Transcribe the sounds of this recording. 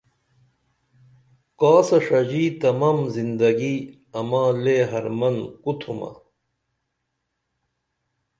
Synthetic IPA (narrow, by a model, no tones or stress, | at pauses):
kaːsɐʂɐd͡ʑiːt̪ɐmaːmzind̪ɐɡi | ɐmãːleɦɐɾmɐnkut̪ʰuma̰